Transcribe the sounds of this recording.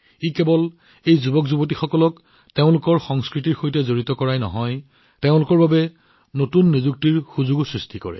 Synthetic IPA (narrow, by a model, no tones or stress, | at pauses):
ikebɔl | ejzubɔkzubot̬ixɔkɔlɔk | teʊ̃lʊkɔɹxɔŋskɹitiɹxojtɛzoɹitɔkɔɹajnɔ̰ɦɔj | teʊ̃lʊkɔɹbabɛ | notunːizuk̚tiɹxuzuɡsɹistʰikɔ̰ɹɛ̰